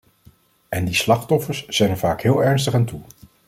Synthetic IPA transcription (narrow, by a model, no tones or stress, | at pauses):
ɛndislɑχtɔfəɹsz̥ɛjnəɹvaːkɦɪːlˠɛɹnstəχaːntu